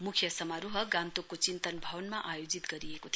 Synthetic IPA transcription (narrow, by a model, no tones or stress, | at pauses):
mukʰjʌsʌmaɾuɦʌɡãnt̪okːot͡sint̪ʌnbʱʌwʌnmaʔajod͡zit̪ɡʌɾijekot̪ʰ